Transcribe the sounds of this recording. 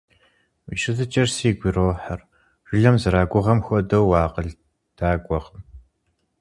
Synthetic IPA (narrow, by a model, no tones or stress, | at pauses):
wḭʃɨzɨt͡ʃʼɐrsiːɡʷiroːħar | ʒ̥ɪɮɐmzɨɾaːɡʷʊʁɐmxʷɔdɐwːaːqəɮ | d̥aːɡʷɔq